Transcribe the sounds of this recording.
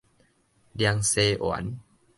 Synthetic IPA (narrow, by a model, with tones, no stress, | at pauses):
lja˧ŋse˧ʔwa̰˨˦n